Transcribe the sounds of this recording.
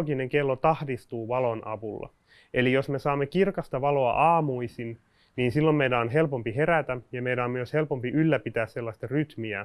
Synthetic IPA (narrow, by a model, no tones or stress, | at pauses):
kineŋkelːot̪ɑhdist̪uːʋɑlonʔɑ̰ʋulːɑ̰ | ʔelijosmesɑːmːekirkɑst̪ɑʋɑloɑ̰ʔɑːmuisin | niːnsilːommeidæonɦelpompiheræt̪æjɑmeidæomyøshelpompiʔylːæpit̪æːsselːɑsʲt̪ɑryt̪miæ